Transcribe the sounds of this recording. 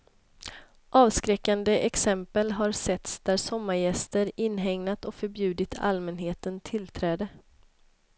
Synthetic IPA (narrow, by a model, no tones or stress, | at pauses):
ʔɑːvskɾɛkːand̪əʔɛksɛmpəlɦaɾsɛt̪sd̪̥æɾsɔmːaɾjɛst̪əɾɪnːɦɛŋnat̪ɔkfœɾbjʉ̟ːd̪ɪt̪ʰa̰lmɛnɦeːt̪ənt̪ʰɪlt̪ʰɾɛːd̪ə